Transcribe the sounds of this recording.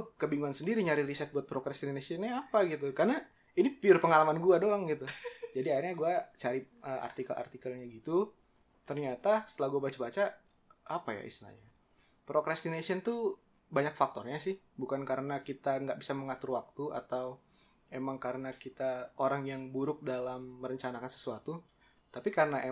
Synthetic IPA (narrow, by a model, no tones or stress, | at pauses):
kəbiŋuansəndiɾiɲaɾɪɾisɛt̪̚buat̪̚pɾokɾɛst̪inasiɔnɲaapaɡit̪ukarəna | inipiʊrpəŋalamanɡuadoaŋɡit̪ud͡ʒadiairɲaɡuat͡ʃaɾiʔəʔa̰rt̪ikalʔa̰rt̪ikəlɲaɡit̪u | t̪ərɲat̪asə̥laɡuabat͡ʃabat͡ʃa | apaja̰ḭst̪ina̰ɲa | pɾokɾast̪inasiɔnt̪u | baɲak̚fak̚t̪ɔrɲasɪh | bukankaɾənakit̪aŋɡaʔbisaməŋat̪ʊrwak̚t̪ua̰t̪aw | emaŋkaɾənakit̪aoɾaŋjaŋbuɾʊk̚dalamːəɾəɲt͡ʃanakansə̥suat̪u | t̪apikaɾənaʔe